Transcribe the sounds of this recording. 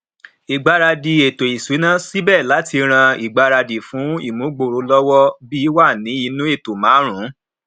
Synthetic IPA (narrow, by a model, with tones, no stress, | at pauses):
i˨ɡ͡ba˧ɾa˧di˨e˨to˨i˨se˨˦nã˦si˦bɛ˦˨la˨˦ti˧ɾ̃ã˧i˨ɡ͡ba˧ɾa˧di˨fũ˨˦ḭ˦˨mũ˨˦ɡ͡bo˧˨ɾo˨˧lɔ˦wɔ˦bi˦wa˦˨nĩ˨˦i˧nũ˦e˦˨to˨mãː˨˦ɾ̃ũ˨˦